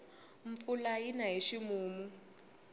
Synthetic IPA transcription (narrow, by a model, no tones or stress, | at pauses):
ɱ̩fulajinaɦeʃimuːmu